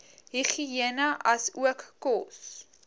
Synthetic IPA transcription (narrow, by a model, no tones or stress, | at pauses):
ɦiχiiənəʔɐsuəkːɔs